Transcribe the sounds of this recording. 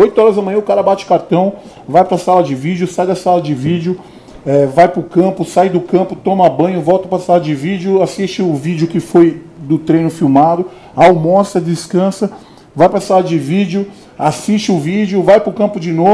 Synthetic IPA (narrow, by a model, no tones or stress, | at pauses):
ojt̪ʊɔɾɐzɐmɐ̃j̃ɐ̃ʊkaɾɐbat͡ʃɪʊ̥kaɾt̪ɐ̃w̃ | vajpɾɐsalɐd͡ʒɪvid͡ʒjʊsajd̪ɐsalɐd͡ʒɪvid͡ʒʊ | ɛvajpɾʊkɐ̃pʊsajd̪ʊkɐ̃pʊt̪õmɐbɐ̃jɲʊvɔwt̪ɐpɾɐsalɐd͡ʒɪvid͡ʒjʊasist͡ʃɪʊvid͡ʒɪʊkɪfojd̪ʊt̪ɾẽj̃nʊfiwmad̪ʊ | awmɔst̪ɐd͡ʒɪskɐ̃sɐ | vajpɾɐsalɐd͡ʒɪvid͡ʒʊ | asist͡ʃɪʊvid͡ʒjʊvajpɾʊkɐ̃mpʊd͡ʒɪno